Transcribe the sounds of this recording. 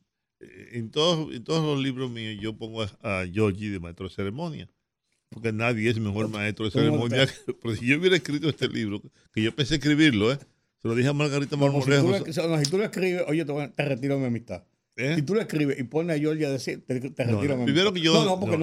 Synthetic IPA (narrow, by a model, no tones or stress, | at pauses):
ent̪oðosḛnt̪oðozlozliβɾozmiosʝo̞poŋɡoaaʝoɾʝiðemaet̪ɾoðeseɾemõnja | poɾkenaðjees̬me̞xoɾmaest̪ɾoðeseɾemõnjapoɾkesiʝouβjeɾaehskɾit̪oest̪e̞lʔiβɾo | keʝopenseehkɾiβiɾloe | seloðiheamalɣaɾit̪amaɾmolehuosmasit̪uloehkɾiβeʔojet̪eat̪eret̪iɾamiamist̪a | esit̪uloehkɾiβeʔiponeaʝoɾʝaðesit̪et̪eret̪iɾamiapɾiimeɾokeʝoonopoɾnken